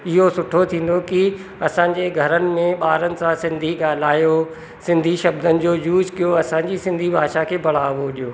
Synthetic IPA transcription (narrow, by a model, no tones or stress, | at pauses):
ɪɦosʊʈʰot̪ʰĩːn̆d̪oki | ɐsãɲ̆d͡ʑeɡʱɐɾənɪ̆mẽɓaːɾənɪ̆sãsɪ̃nd̪ʱiɠaːl̤aːjo | sɪ̃nd̪ʱiʃɐbd̪ʱənɪ̆d͡ʑoːjuːd͡ʑkijoɐsãɲd͡ʑisɪ̃nd̪ʱibʱaːʃakʰeːbɐɽ̤aːʋoɗijoː